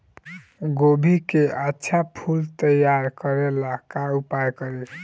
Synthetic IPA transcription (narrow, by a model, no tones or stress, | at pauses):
ɡobʱikeʔatːʃʰapʰult̪əjaɾkəɾelakaupajkəɾe